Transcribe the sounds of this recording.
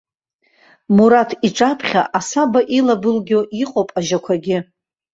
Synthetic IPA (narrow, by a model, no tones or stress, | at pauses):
muɾatʰiʈ͡ʂʼapʰχʲa̰ʔasabaʔilabɨlɡʲoʔiqʼowpʼaʒakʷʰaɡʲɪ